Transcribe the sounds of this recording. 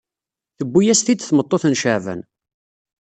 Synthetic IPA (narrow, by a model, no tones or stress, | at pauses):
θəbːujæst̪id̪θmət̪ˤːoθənʃəʕvə̰n